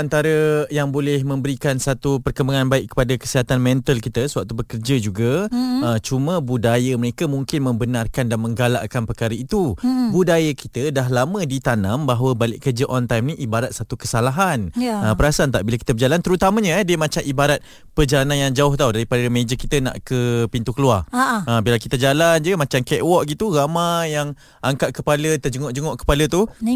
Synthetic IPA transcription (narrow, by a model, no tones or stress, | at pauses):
ant̪aɾəjaŋbolɛhmə̃mbəɾikansat̪upərkəmbaŋanbaɪʔkːə̥padakə̥siɦat̪anmɛ̃nt̪əlkit̪əsəwak̚t̪ubəkərd͡ʒad͡ʒuɡaət͡ʃumə̃budajəməɾekamuŋkɪnmə̃mbənarkandanmə̃ŋɡala̰ʔkanpərkaɾəit̪ubudajakit̪ədaɦlamə̃dit̪anãmbaɦwəbalɪʔkərd͡ʒəʔɔnt̪ajmniʔibaɾat̪̚sat̪ukəsalaɦanəpəɾasant̪a̰ʔbilakit̪əbəd͡ʒalant̪əɾut̪aməɲə̃ɛdiəmat͡ʃamibaɾat̪̚ | pərd͡ʒalananjaŋd͡ʒaʊht̪audaɾipadəmẽd͡ʒəkit̪ənã̰ʔkəpint̪ukəluaraəbilakit̪əd͡ʒaland͡ʒəmat͡ʃamkɛʔwɔʔɡit̪uɣamajaŋ | ʔaŋkaʔ̚kəpalət̪əd͡ʒəŋɔʔd͡ʒəŋɔʔkə̥palət̪u